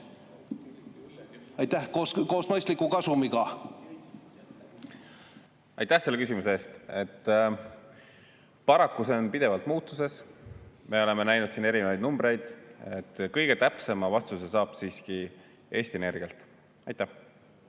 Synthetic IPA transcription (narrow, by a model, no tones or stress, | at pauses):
ɑjt̪æhkoːskoːsmɤjst̪likːukɑsumiɡɑ | ɑ̰jt̪ːæhse̞lːe̞kys̬ʲimuseeːst̪e̞t̪ː | pɑɾɑkːuse̞onpid̪̥e̞vɑlt̪muːt̪ːˑuse̞s | me̞o̞le̞me̞næjnud̪̥siːne̞ɾinevɑjd̪numbɾe̞jd̪̥et̪ːkɤjɡ̥e̞t̪æpse̞mɑvɑst̪use̞sɑːb̥siːski | ʔe̞ːst̪iene̞rɡ̥iɑlt̪ˑ | ɑjt̪ːˑæh